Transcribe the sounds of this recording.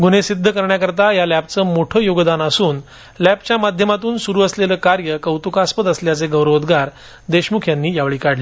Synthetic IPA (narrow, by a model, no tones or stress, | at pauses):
ɡunesid̪ʱːəkəɾɳjakəɾt̪ajalæp̚t͡səːmoʈʰəːjoɡd̪anasuːn | læpt͡ɕjamad̪ʱjəmat̪uːnsuɾuːəsleləːkaɾjəkəwt̪ukaspət̪əsljat͡seɡəwɾʋod̪ɡaɾ | d̪eɕmukʰjanːiːjaʋɭiːkaɽle